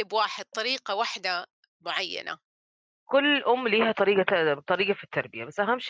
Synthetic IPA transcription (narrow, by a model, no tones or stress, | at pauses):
ɪbwaːħɪd̪̥̚t̪ˤɑɾiːqawaħd̪a | mʊʕajːa̰na̰ | kʊlːʔʊmːliːhat̪ˤɑɾiːɡat̪ˤɑɾiːɡɑfit̪ːɑɾˤbɪjabasːʔaɦamːʃ